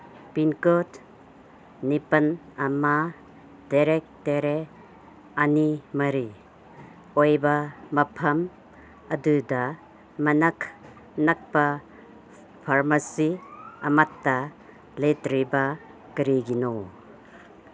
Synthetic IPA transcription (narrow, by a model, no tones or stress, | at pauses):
pinkot | nipɐnɐma | daɾek̚teɾe | animɐɾi | ojbamɐpʰɐm | ɐdudɐ | mɐnakʰ | nɐk̚pa | pʰaɾmasiɐmatːa | letɾiba | kiɾiɡino